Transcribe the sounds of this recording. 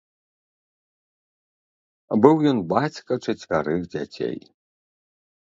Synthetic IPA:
bɨwjɔnbat͡sʲkʼɐʈ͡ʂʰɐtʲvʲaɾɨxdʲa̰tʲʰḛj

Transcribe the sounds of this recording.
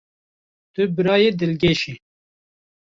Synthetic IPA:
t̪ybɪɾɑːjed̪ɪlɡeʃi

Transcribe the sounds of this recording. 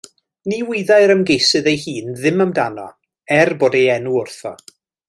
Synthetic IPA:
niwɪðaɨɾəmɡejsɨðejhiːnðɪməmdanɔ | ɛrboːdejɛnuʊrθɔ̰

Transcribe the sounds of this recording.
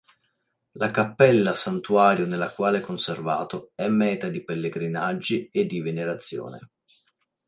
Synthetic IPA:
lakapːɛlːasant̪uaːɾjonelːakwaːlekonserva̰ːt̪oɛmːɛːt̪ad̪ipelːeɡɾinad͡ʒːied̪ːiveneɾat̪sːjo̰ːnḛ

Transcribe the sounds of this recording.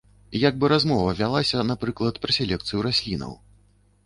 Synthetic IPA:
jaɡ̚bɨɾazmɔvɐvʲalˠasʲɐnapɾɨklˠɐt̪pɾɐsʲɛlʲɛkt̪sɨjuɾasʲlʲinɐ̰w

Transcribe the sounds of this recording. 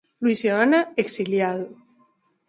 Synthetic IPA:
lwisoanaeksiljaðo

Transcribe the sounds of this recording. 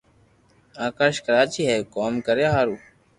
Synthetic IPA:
aːkaːɾʃkəɾaːt͡ʃiːɦeːkoːmkəɾjaːɦaːɾuː

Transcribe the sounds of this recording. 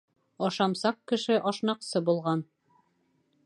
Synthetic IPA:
ɒʃɑmsɑqkɘ̆ʃɘʔɒʃnɑqsɤbulˠʁɑn

